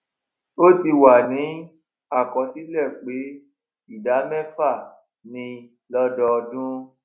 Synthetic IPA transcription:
o˦ti˧wa˨nĩ˨˦ | a˦˨kɔ̃˧si˨˦lɛ˦˨k͡pe˨˦ | i˦˨da˨˦mɛ̃˦fa˦˨ | nĩ˧ | lɔ˦dɔ˧ɔ˧dũ˦

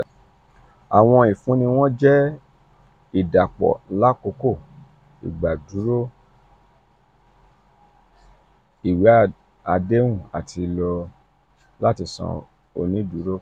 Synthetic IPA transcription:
a˨w̃ɔ̃˧i˨fũ˨˦nĩ˧w̃ɔ̃˦d͡ʒɛ˦ | i˨da˨k͡pɔ̰˨la˦ko˨˧˦ko˦˨ | ḭ˨ɡ͡ba˨du˨˦ɾo˦ | i˨we˨˦a˦ | a˧de˦ũ˦˨a̰˨tʰi˧lɔ˧ | la˦ti˧sɔ̰̃˧˨ | o̰˨˧nĩ˨˦du˨˦ɾo˦

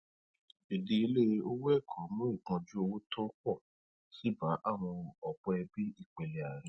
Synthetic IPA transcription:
e˨di˧i˧le˦˧o˦wɛ˦˨kʰɔ˨˦mũ˦i˦˨kɔ̃˧d͡ʒu˦o˧wo˦tʰɔ˦kɔ˦˨ | si˨˦ba˨˦ʔa˦˨w̃ɔ̃˧ɔ˨bɔ˧ɛ˧bi˦i˦˨k͡pe˨le˨a˨ɾ̃ĩ˨˦

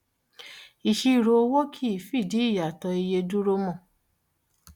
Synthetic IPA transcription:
i˨ʃi˧˨ɾo˧˦wo˦kʰi˦i˦˨fi˦˨di˨˦i˦˨ja˨tɔ˧i˧je˧du˦ɾo˦mɔ̃˦˨

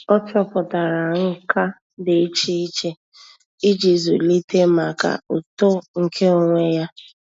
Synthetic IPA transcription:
ɔ˦t͡ʃɔ˦pʊ˨ta˨ɾa˨ŋ̩˦ka˦ | dɪ˨i˦t͡ʃi˦i˦t͡ʃe˦ | i˦d͡ʒi˨zṵ˨li˦te˦ma˨ka̰˨u˨to˦ŋ̩˨kʰe˦o˨ŋʷe˦ja˦

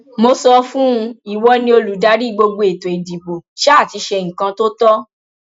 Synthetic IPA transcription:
mo˧sɔ˧fũ˦˧i˦˨wɔ˨˦nĩ˧o˧lu˨˦da˨˧˦ɾi˦˨ɡ͡bo˧ɡ͡bo˧e˨to˨e˨di˨bo˨ʃa˦˨ti˧ʃɛ˧ŋ̩̃˨kã˧to˦tɔ˦

